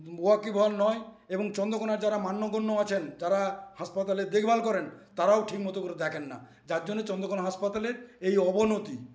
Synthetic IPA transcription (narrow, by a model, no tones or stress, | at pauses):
boakibʱalnɔe | eboŋt͡ɕɔnd̪okonaɾd͡ʑaɾamanːoɡonːoat͡ɕʰend͡ʑaɾahaʃpat̪aleɾd̪ekʰbʱalkɔɾent̪aɾaoʈʰikmɔt̪okoɾed̪ɛkʰenːa̰ | d͡ʑaɾd͡ʑonːet͡ɕɔnd̪okonaɦaʃpat̪aleɾejɔbonot̪i